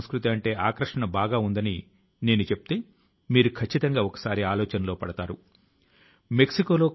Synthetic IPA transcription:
mskɾut̪iɐɳʈe̞ːʔaːkɾɐʂɐɳɐbaːɡaːund̪ɐni | ne̞ːnut͡ʃe̞pu̥t̪eː | miːɾukʰɐt͡ʃːit̪ɐŋɡaːɔkɐ̥saːɾiaːlɔːt͡ʃɐnɐlo̞ːpɐɽɐt̪aːɾu | me̞ksiko̞ːlo̞ː

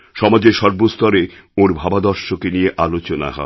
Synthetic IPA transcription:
ʃɔmad͡ʑeɾʃɔɾbost̪ɔɾe | oɾbʱabad̪ɔɾʃokenijeʔalot͡ɕona̰ɦɔ̰e

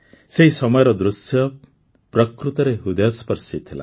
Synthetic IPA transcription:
seɦisɔmɔjɔɾɔd̪ɾusjɔ | pɾɔkɾut̪ɔɾeɦud̪ɔjɔspɔɾsit̪ʰila̰

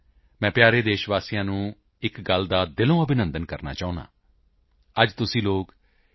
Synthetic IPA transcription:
mɛ̃ːpjaːɾeːd̪eːʃʋaːsijãːnũː | ɪkɡəld̪aːd̪ɪlõːəbɪnə̃nd̪ənkəɾna̰ːt͡ʃaːʊ̃nã̰ː | əd͡ʒt̪ʊsĩːloːk

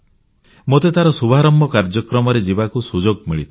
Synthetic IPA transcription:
mot̪et̪aɾɔsubʱaɾɔmbʱɔkaɾd͡ʒɔkɾɔmɔɾed͡ʒibakusud͡ʒoɡmiɭit̪ʰ

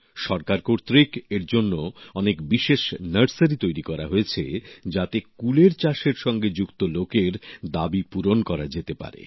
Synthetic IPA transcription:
ʃɔɾkaɾkoɾt̪ɾikeɾd͡ʑonːoɔnekbiʃeʃnəɾsəɾit̪ojɾikɔɾaɦoet͡ɕʰed͡ʑat̪ekuleɾt͡ɕaʃeɾʃɔŋɡed͡ʑukt̪olokeɾd̪abipuɾonkɔɾad͡ʑet̪epa̰ɾḛ

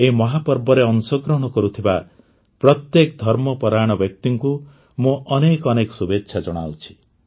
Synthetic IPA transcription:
emɔɦapɔɾbɔɾeɔnsɔɡɾɔɦɔɽ̃ɔkɔɾut̪ʰiba | pɾɔt̪jekd̪ʱɔɾmɔpɔɾajɽ̃ɔbjɔk̚t̪iŋku | mũʔɔnekɔnekɔ̥subetːʃʰad͡ʒɔɽ̃a̰wt͡ʃʰi̥

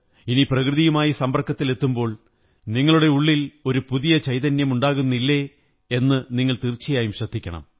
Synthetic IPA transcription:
iniprɐkrɨðijumaːjisɐmbɐrkːɐt̪ːile̞t̪ːumbo̞ːɭ | niŋːɐɭuɽe̞uɭːilo̞ɾupuðijɐt͡ɕɐjt̪ɐnjɐmuɳɖaːɣunːilːe̞ | e̞nːɨniŋːɐɭt̪irt͡ɕːijaːjumɕɐd̪ʱːikʲːɐ̰ɳɐ̰m

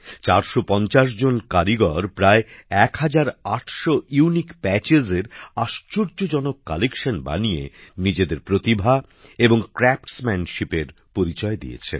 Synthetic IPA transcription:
t͡ɕaɾʃopɔnt͡ɕaʃ̬d͡ʑonkaɾiɡɔɾpɾaeɛkhad͡ʑaɾaʈʰʃoiuunikpɛt͡ɕezeɾaʃt͡ɕoɾd͡ʑod͡ʑɔnokːalekʃanba̰nijḛnid͡ʑed̪eɾpɾot̪ibʱa | eboŋkɾɛpʈsmɛnʃipeɾ | poɾit͡ɕɔed̪ḭḛt͡ɕʰḛ

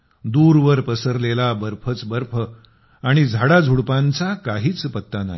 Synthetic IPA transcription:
d̪uːɾʋəɾpəsəɾlelabəɾpʰət͡sbəɾpʰə | aɽ̃id͡zʱaɽad͡zʱuɽpãnt͡sakaɦiːt͡spət̪ːana̰i

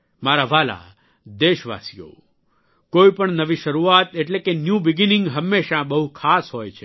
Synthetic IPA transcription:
maɾaʋala̰ | d̪eʃʋa̰sijo̰ | koipəɳnəʋiʃəɾuat̪eʈlekenjũbɪɡinɪ̃ŋɡɦəmːeʃãbəɦukʰasɦojt͡ʃʰe

